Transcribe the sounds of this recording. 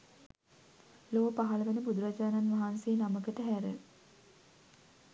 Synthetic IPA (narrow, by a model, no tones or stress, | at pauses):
loːpaɦaləʋenəbud̪uɾad͡ʒaːnanʋaɦansejːnaməkəʈəɦæɾə̰